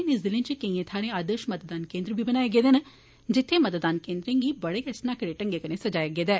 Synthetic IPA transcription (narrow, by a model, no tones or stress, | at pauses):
nɪsd̪ɪlẽnt͡ʃəkəĩːẽt̪ʰaːɾẽːaːd̪əʃmɐt̪d̪aːnkeːnd̪ɾbʱibənaːeɡeːd̪eːnə | d͡ʒɪt̪ʰːemət̪d̪aːnkẽːnd̪ɾɪ̃ŋɡibəɽeːkɛsnaːkəɾeːʈə̃ŋɡeːkənẽːsəd͡ʒaːjeɡeːd̪ɛː